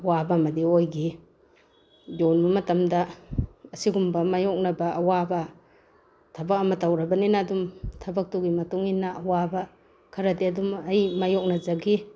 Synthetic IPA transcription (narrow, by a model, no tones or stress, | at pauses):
ɐwabamɐdiojɡi | jonbɐmɐtɐmdɐɐsiɡumbɐmajɔk̚nɐbɐʔɐwabɐ | tʰɐbɐk̚ɐmɐtawɾɐbɐninaːdumtʰɐbɐk̚tuɡimɐtuŋinaʔːwabɐ | kʰɐɾɐdiɐdumɐjmajɔk̚nɐzaɡi